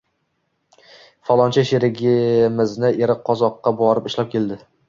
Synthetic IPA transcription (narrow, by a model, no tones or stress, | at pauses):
fɒlˠɒnt͡ʃʰaʃeɾɪɡʲɪmɪznɪʔeɾɪqʰːɒzɒqːɑbɒɾɪpɪʃlap̚kʲʰe̞ld̪ɪ